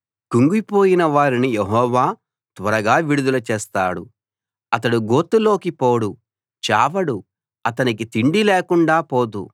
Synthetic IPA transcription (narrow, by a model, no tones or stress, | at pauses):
kuŋɡipo̞ːjinɐʋaːɾinijeɦɔːʋaː | t̪ʋɐɾɐɡaːʋiɽud̪ulɐt͡ʃɛːst̪a̰ːɽṵ | ɐt̪ɐɽuɡo̞ːt̪ːulo̞ːkipo̞ːɽu | t͡ʃa̰ːʋɐɽu | ɐt̪ɐnikit̪iɳɖileːkuɳɖaːpo̞ːt̪ṵ